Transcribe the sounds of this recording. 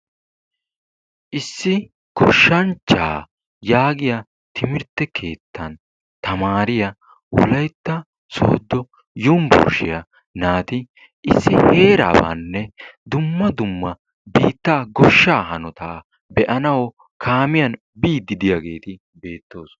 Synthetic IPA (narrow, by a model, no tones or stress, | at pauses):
ʔɪsːɪ | kɔʃːɐnt͡ʃːa̰ː | jaːɡɪjɐ | t̪ʰɪmɪɾt̪ːɛkʰe̞ːt̪ʰːɐn | t̪ɐmaːɾɪjɐ | wɔ̰lɐjt̪ːɐ | soːd̪ːɔ | jʊmbʊ̰ːɾʃɪjɐ | naːt̪ɪ | ʔɪsːɪhe̞ːɾa̰ːbɐ̰nːɛd̪ʊmːɐd̪ʊmːɐ | biːt̪ːaːɡɔʃːaːɦɐnɔt̪aː | bɛʔɐnɐwɔ | kʰaːmɪjɐn | biːd̪ɪd̪ɪjɐɡe̞ːt̪ɪ | be̞ːt̪ːo̞ːs